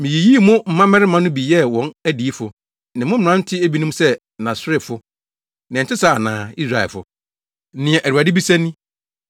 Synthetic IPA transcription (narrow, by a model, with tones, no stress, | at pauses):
mɪ̃˨ji˨ji˦˨mʊ̃˦m̩˨mã˦mɛ̃˦ɾɪ˦mã˦nʊ̃˦bi˨jɛ˦wɔ̃˦næ˦di˨i˦fʊ˨ | nɪ̃˨mʊ̃˦m̩˨ɾã˦n̩˦tʰɪ˦æ˦bi˦nʊ̃˦m˦sɛ˦ | nã˨sɾɪ˦˨fʊ˦ | nɪ̃˨n̩˨tʰɪ˦sa˦˨nãː˨i˦sɾa˨ɛ̰˨fʊ̰˨˦ | nɪ̃˨ɛ̃˨ʔæ˨u˨a˨dɪ˦bi˦sæ̃˦nĩ˦